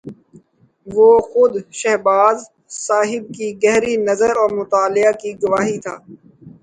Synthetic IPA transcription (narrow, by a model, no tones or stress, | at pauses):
ʋoːxʊd̪ʃɛɦbaːz | saːɦɪb̚kiɡɛɦɾinɐzəɾɔːɾmʊt̪aːlɪakiɡʊʋaːɦit̪ʰa̰ː